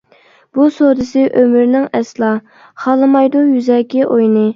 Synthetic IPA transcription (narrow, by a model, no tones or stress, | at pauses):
b̥usod̪ɨsɪʔømyɾnɪŋɛslˠɑ | χɑlˠɨmɑjd̪ujyzɛːkʲiʔojnɨ